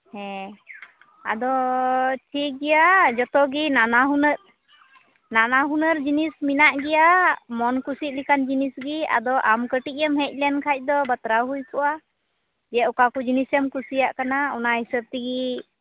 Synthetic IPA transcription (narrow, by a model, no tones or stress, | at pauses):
hɛ̃ | a̰d̪ɔʈʰik̚ɡɛjad͡ʒɔt̪ɔɡinanaɦunəɾ̚ | nanaɦunəɾd͡ʒinisminaʔɡɛjamɔnkusit̪̚likand͡ʒinisɡia̰d̪ɔʔamkəʈiʔ̚jəmɦɛc̚ˀlɛnkʰac̚d̪ɔbət̪ɾaɦujkɔʔa | d͡ʒɛɔkakud͡ʒinisɛmkusijaʔkanaɔnaɦhisəb̚t̪iɡi